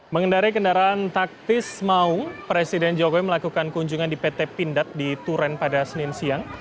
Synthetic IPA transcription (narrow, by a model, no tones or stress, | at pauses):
məŋəndaɾikəndaɾaːnt̪ak̚t̪ɪsmaʊŋpɾesidɛnd͡ʒokowiməlakukankuɲd͡ʒuŋandipet̪ɛpindat̪̚dit̪uɾɛnpadasəninsiaŋ